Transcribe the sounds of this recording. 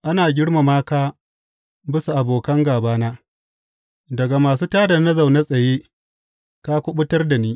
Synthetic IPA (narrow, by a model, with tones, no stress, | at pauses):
ʔa˦naː˨ɡʲɪ˦ɽma˨maː˦kaː˦ | bɪ˦su˨ʔa˨boː˨kɐ˦ŋɡaː˨baː˦naː˦ | dɐ˨ɡa˨maː˨s̬uː˦taː˦da˨nɐ˦za˨wna˦sʼɐ˨jeː˦ | ka˦kʷʊ˦ɓʊ˦tɐ˦rda˨niː˦